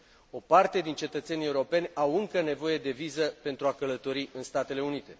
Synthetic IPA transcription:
o̞part̪e̞d̪int͡ʃe̞t̪ət̪se̞nʲie̞uɾo̞pe̞nʲawɨŋkəne̞vo̞je̞d̪e̞vizəpe̞nt̪ɾuakələt̪o̞ɾiʔɨnst̪at̪e̞le̞unit̪e̞

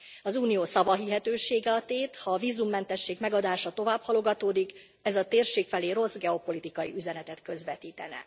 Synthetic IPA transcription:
ɒzuːnijoːsɒvɒɦiɦɛt̪øːʃeːɡɛɒt̪eːt̪hɒːviːzumːɛnt̪ɛʃːeːɡmɛɡɒd̪aːʃɒt̪o̞vaːbhɒlo̞ɡɒt̪oːd̪ik | ɛzɒt̪eːrʃeːkfɛleːɾo̞sɡɛo̞po̞lit̪ikɒjḭyzɛnɛt̪ɛt̪kø̞zvɛt̪iːt̪ɛnɛ̰

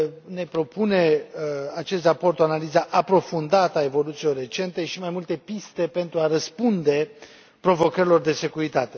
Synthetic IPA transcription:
ne̞pɾo̞pune̞at͡ʃe̞st̪rapo̞rt̪oanalizaʔapɾo̞fund̪at̪əae̞vo̞lut̪silo̞rːe̞t͡ʃe̞nt̪e̞ʃimajmult̪e̞pist̪e̞pe̞nt̪ɾuaɾəspund̪e̞ | pɾo̞vo̞kəɾʲilo̞rd̪e̞se̞kuɾit̪at̪e̞

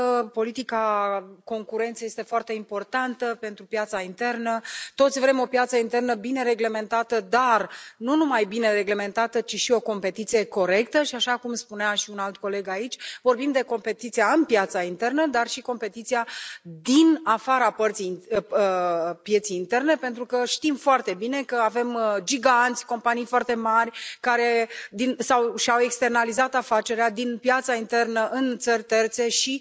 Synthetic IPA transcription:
po̞lit̪ikako̞ŋkuɾe̞nt̪sejest̪e̞foart̪e̞impo̞rt̪ant̪əpe̞nt̪ɾupjat̪saint̪e̞rnət̪o̞t̪sʲvɾe̞mo̞pjat̪səint̪e̞rnəbine̞ɾe̞ɡle̞me̞nt̪at̪əd̪arnunumajbine̞ɾe̞ɡle̞me̞nt̪at̪ət͡ʃiʃio̞ko̞mpe̞t̪it̪sije̞ko̞ɾe̞kt̪əʃiaʃakumspuneaʃiunalt̪ko̞le̞ɡait͡ʃʲvo̞rbimd̪e̞ko̞mpe̞t̪it̪sijaɨnpjat̪saint̪e̞rnəd̪arʃiko̞mpe̞t̪it̪sijad̪inafaɾapərt̪sijəpje̞t̪sijːnt̪e̞rne̞pe̞nt̪ɾukəʃt̪imfoart̪e̞bine̞kəave̞md͡ʒiɡant̪sʲko̞mpanijfoart̪e̞marʲkaɾe̞d̪insawʃiawe̞kst̪e̞rnalizat̪afat͡ʃe̞ɾead̪inpjat̪saint̪e̞rnəʔɨnt̪sərʲt̪e̞rt̪se̞ʃi

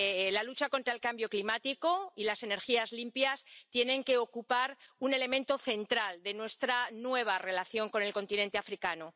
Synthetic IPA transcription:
lalut͡ʃako̞nt̪ɾaelkambjo̞klimat̪iko̞ilase̞ne̞ɾxiazlimpjast̪je̞nẽ̞ŋke̞o̞kupaɾune̞le̞mẽ̞nt̪o̞θe̞nt̪ɾald̪e̞nwe̞st̪ɾanwe̞β̞are̞laθjo̞ŋko̞ne̞lko̞nt̪inẽ̞nt̪eafɾikano

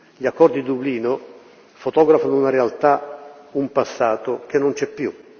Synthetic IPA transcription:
ʎakːɔrd̪id̪ubliːno | fot̪ɔːɡɾafanounaɾealt̪aumpasːaːt̪ok̟enːont͡ʃɛpːju

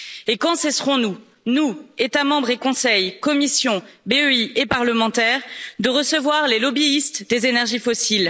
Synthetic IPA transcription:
ekɑ̃sɛsχɔ̃nu | nuet̪amɑ̃bʁekɔ̃sɛjkɔmisjɔ̃beøiepaʁləmɑ̃t̪ɛːʁd̪əʁəsəvwaʁlelɔbiːst̪d̪ezenɛʁʒifɔsil

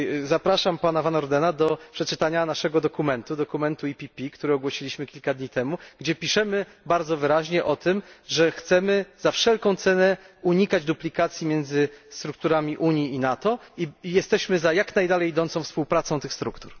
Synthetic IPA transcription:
zapɾaʂampanavanɔɾd̪ɛnad̪ɔpʂɛt͡ʂɘt̪aɲanaʂɛɡɔd̪ɔkumɛnt̪ud̪ɔkumɛnt̪uipʲipʲikt̪uɾɛɔɡwɔɕilʲiɕmɘkʲilkad̪ɲit̪ɛmuɡ̥d͡ʑɛpʲiʂɛmɘ | baɾd̪zɔvɘɾaʑɲɛʔɔt̪ɘmʐɛxt̪sɛmɘzafʂɛlkɔ̃w̃t̪sɛnɛuɲikad͡ʑd̪uplʲikat̪sʲjimʲjɛnd̪zɘst̪ɾuk̚t̪uɾamʲiʔuɲjiːnat̪ɔijɛst̪ɛɕmɘzajaknajd̪alɛjːd̪ɔnt̪sɔ̃w̃fspuwpɾat̪sɔ̃w̃t̪ɘxst̪ɾukt̪uɾ

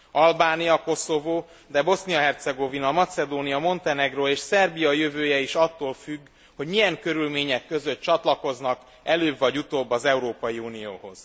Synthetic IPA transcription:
ɒlbaːnijɒko̞so̞voː | d̪ɛbo̞snijɒɦɛrt̪sɛɡo̞vinɒmɒt̪sɛd̪oːnijɒmo̞nt̪ɛnɛɡroeːʃsɛrbijɒjøvøːjɛiʃɒt̪ːoːlfyɡː | ho̞ɟmijɛŋkø̞ɾylmeːɲɛkːø̞zø̞t̪t͡ʃɒt̪lɒko̞znɒk | ɛløːbvɒɟut̪oːbːɒzɛuɾoːpɒjiuːnijo̰ːho̞̰z̥

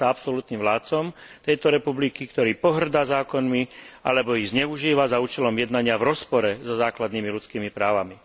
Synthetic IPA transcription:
aapsɔlut̪niːmʋlaːt̪t͡sɔmt̪ɛjt̪ɔɾɛpublikikt̪ɔɾiːpɔɦr̩d̪azaːkɔnmia̰lɛbɔiɣzɲɛuʒiːʋazauːt͡ʃɛlɔmjɛd̪naɲɪavɾɔspɔɾɛzɔzaːklad̪niːmilut͡skiːmipɾaːʋami

